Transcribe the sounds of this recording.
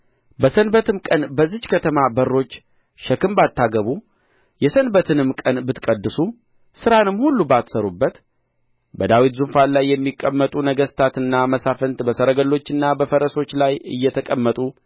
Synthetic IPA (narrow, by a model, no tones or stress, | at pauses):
bəsənbət̪ʰɨmkʼənbəzːɨd͡ʒkʰət̪ʰəmabərːo̞t͡ʃː | ʃəkɨmbat̪ʰːaɡəβu | jɛsənbət̪ʰɨnɨmkʼənbɨt̪kʼəd̪ːɨsu | sɨɾanɨmːhulːubat̪səɾubːət̪ | bəd̪awit̪zunfalajːɛmːikʼːəmːət̪ʼunəɡəst̪ʰat̪ɨnːaməsafənt̪bəsəɾəɡəlːo̞t͡ʃːɨnːabəfəɾəso̞t͡ʃːlajɨ̰jːɛt̪ʰəkʼəmːət̪ʼu